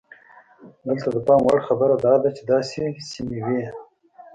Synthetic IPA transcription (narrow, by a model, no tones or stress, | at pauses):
d̪əlt̪ad̪əpɑmwaɽxabəɾad̪ɑd̪at͡ʃed̪ɑsesimewi